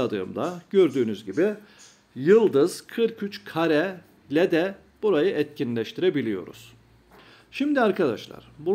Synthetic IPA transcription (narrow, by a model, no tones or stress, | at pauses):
ad̪ɯ̰ːmd̪aɟø̞ɾd̪yːnyzɟibɪ | jɯlˠd̪ɯz̥kʰɯɾcʰyt͡ʃkʰaɾɛ | lʲɛd̪ɛ | b̥uɾajɯʔɛt̪̚cinlʲɛʃt̪ʰiɾɛbilʲijo̞̰ɾṵz̥ | ʃimd̪iaɾkʰad̪a̰ʃlˠa̰ɾ̥bu